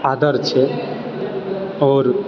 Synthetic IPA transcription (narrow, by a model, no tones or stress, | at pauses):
ad̪əɾt͡ʃʰe | ɔːɾ